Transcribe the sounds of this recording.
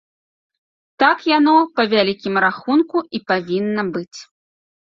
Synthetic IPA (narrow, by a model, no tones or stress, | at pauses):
t̪akjanɔpɐvʲalʲikʲimɾaxunkuipavʲinːɐbɨt͡sʲ